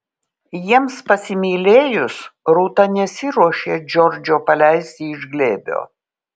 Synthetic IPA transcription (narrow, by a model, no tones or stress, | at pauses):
jiɛmspɐsʲɪmʲiːlʲeːjʊsɾuːt̪ɐnʲɛsʲɪɾuɔʃʲeːd͡ʒʲɔɾʲd͡ʒʲoːpɐlʲæɪsʲt̪ʲiɪʒɡlʲeːbʲo̰ː